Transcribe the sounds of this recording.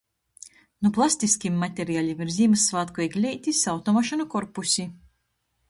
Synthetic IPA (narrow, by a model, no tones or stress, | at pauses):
nuplˠasʲt̪ʲiskʲimːat̪ʲeɾijaːlʲimiɾzʲiːmɨsːvaːt̪kɔjiɡlʲɛjt̪ʲisʲawt̪ɔmɔʃɔnukɔɾpusʲi